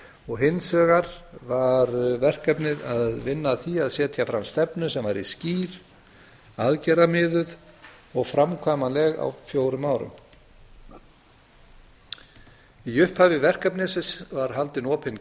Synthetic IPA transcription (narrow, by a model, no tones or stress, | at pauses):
ɔɣɦɪnsœːɣaɾvaɾvɛr̥kœpnɪɾaðvɪnːaθiaðsɛːt̪ʰjafɾamst̪ɛpnʏsɛmvaɾḭsciːɾ̥ | aðcɛɾðamɪːðʏð | ɔɣfɾamkʰaːmalɛɣa̰wfjowɾʏmaːwɾʏ̰m | iʏhphaːvɪvɛr̥kœpnɪsɪsvaɾ̥ɦalt̪ɪnɔːpʰɪn